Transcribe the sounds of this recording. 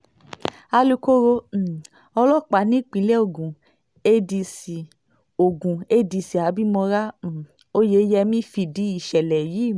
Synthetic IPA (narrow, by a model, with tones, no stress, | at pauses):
a˧lu˧ko˦ɾo˧˨ | ɔ˧lɔ˦˨k͡pa˨˦nĩ˦k͡pĩ˧˦lɛ˦o˦˨ɡũ˨ | e˧di˧si˨ | o˨ɡũ˨e˧di˧si˨a˨˦bi˦mɔ̃˧ɾa˦˨ | o˦je˧˦jɛ˧mĩ˦fi˧di˨˦i˦˨ʃɛ˨lɛ˨ji˨˦˨